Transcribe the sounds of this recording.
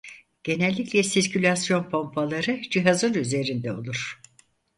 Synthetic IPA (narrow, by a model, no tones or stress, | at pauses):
ɟ̥e̞nɛlʲːicʲlʲɛsiɾcʰylʲasjo̞npʰo̞mpʰalˠaɾɯd͡ʒiɦazɯnyze̞ɾind̪ɛo̞̰lˠuɾ̥